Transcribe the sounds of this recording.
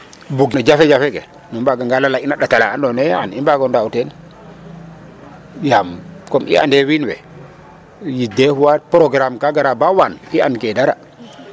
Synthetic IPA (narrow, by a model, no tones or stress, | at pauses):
buɡnad͡ʒafɛd͡ʒafɛkɛ̰ | numbaɡaŋɡalalainaɗatalaandɔnɛanimbaɡɔndautɛn | jamkɔmʔḭa̰ndɛwinwɛ̰ | jidɛhuwapɾɔɡɾamkaɡaɾabawaniankɛdaɾa